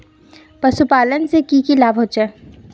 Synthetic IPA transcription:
pɐsupaːlənsekikilaːbɦoːt͡ʃɛː

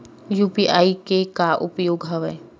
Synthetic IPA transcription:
juːpiʔaːikekaʔʊpjoːɡɦɐʋəː

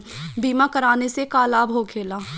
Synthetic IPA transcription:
biːmakɐɾaːnesekaːlaːbɦokʰeːlaː

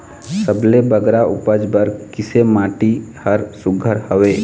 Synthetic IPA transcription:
səblebəɡɾaʊpəd͡ʒbəɾkɪsemaːʈihəɾsʊɡʱəɾhəʋeː

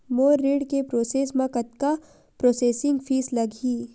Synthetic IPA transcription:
moːɾːiːɖkepɾoːseːsmãkɐt̪ka | pɾoːseːsɪ̃ŋɡfʰiːslɐɡʱiː

